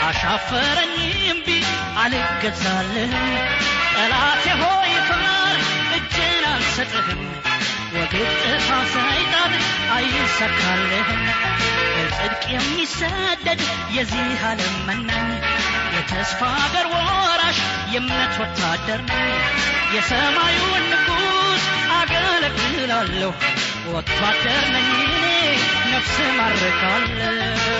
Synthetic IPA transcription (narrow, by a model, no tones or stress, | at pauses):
ʔaʃafəɾəɲːɪɪmbi | alɡəzalːəhnkʼəlat̪jɛɦojɛt̪ʰəmaɾʔɨd͡ʒːɪnalsət̪ʼɨhɨm | wɔɡɨɾt̪ʼɨfafajt̪ʼalajɪsət̪ːalːəhɨnwəltʼɨd̪kʼijɛmːisːɐd̪ːəd̪ | jɛzihaləmənːaɲ | jɛt̪ʰəsfad̪əɾwɔɾaʃ | jɛmnət̪wɔt̪ʰːad̪ːəɾnaɲjɛsəmajunːɨɡusaɡələkʼːɨ | lalːəhu | wɔt̪ʰːad̪ːəɾnənːunenəfsɨmaɾːəɡalː | ə